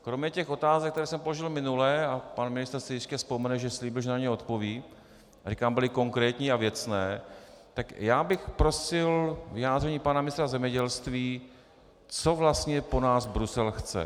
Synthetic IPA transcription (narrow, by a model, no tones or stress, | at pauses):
kɾo̞mɲɛcɛxʔo̞t̪aːzɛk̚t̪ɛɾɛːsɛmpo̞loʒɪlmɪnulɛːapanmɪnɪst̪ɛɾsɪjɪscɛspomɛnɛʒɛsliːbɪlʒɛnaɲɛo̞t̪po̞viː | arikaːmbɪlɪko̞ŋkɾɛːt̪ɲiːavjɛt͡snɛːt̪akjaːbɪxpɾo̞sɪlvɪjaːd̪rɛɲiːpanamɪnɪst̪ɾazɛmɲɛɟɛlst̪viː | t͡so̞vlast̪ɲɛpo̞naːzbɾusɛlxt͡sɛ̰